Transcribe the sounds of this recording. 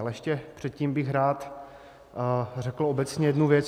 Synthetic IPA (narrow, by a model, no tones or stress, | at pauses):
lɛɛʃcɛpr̝̥ɛt̪̚ciːmbɪxɾaːt̪ | rɛkl̩obɛt͡sɲɛjɛdnuvjɛt͡s